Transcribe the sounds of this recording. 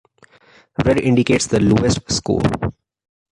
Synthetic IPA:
ʋeɾɪ̃ɳɖɪkeːʈsd̪əluːesʈskṵːl

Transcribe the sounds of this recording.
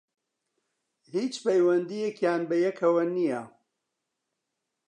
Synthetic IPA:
hiːt͡ʃpɐjwɐnd̪ijekjaːnbɐjɛkʰɐwɐnijɐ

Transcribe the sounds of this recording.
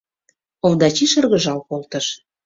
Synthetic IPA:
ovd̪ɑt͡ɕiʃə̆rɣə̆ʒɑlkolt̪əʃ

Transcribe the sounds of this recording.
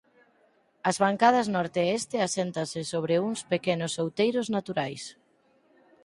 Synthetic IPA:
ɐzβaŋkað̞ɐznɔɾt̪eest̪ɪasent̪asɪsoβ̞ɾeuŋspekenʊsːowt̪ejɾoznat̪uɾajs

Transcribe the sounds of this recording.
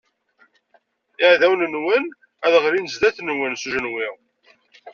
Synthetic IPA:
ɪʕðæwnənwən | æðʁɾinəzd̪æθnwənsuʒənwiʁ

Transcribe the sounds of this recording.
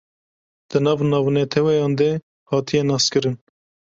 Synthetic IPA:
d̪̥ɨnɑːvnɑːvnɛt̪ʰɛwɛjɑːnd̪e | hɑːt̪ʰijɛnɑːskɨɾɨn

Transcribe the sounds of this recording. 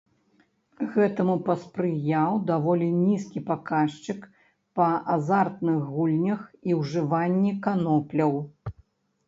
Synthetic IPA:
ɣɛt̪ɐmupɐspɾɨjawd̪avɔlʲinʲiskʲipakaʂt͡ʃɨk | pɐazart̪nɨxɣulʲnʲɐxiwʐɨvanʲːikanɔplʲɐw

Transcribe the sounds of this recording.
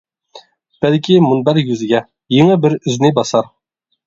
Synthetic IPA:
b̥ælkʲimunbæɾjyzɪɡʲɛ | jeŋɘbɪɾʏznɪbɑsɑɾ

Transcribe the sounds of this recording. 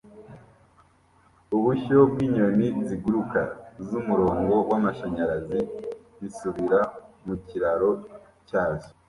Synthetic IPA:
uβuçob̚ɡiːɲoniziɡuɾuka̰zumuɾo̞ːŋɡo̞wamaʃaɲaɾazi | βisuβiɾamuciɾaɾo̞ | caːʒo̥

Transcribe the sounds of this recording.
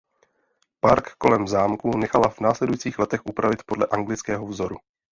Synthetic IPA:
paɾkːo̞lɛmzaːmkunɛxalavnaːslɛdujit͡siːxlɛt̪ɛxʔupɾavɪt̪po̞dlɛʔaŋɡlɪt͡skɛːɦovzo̞ɾu

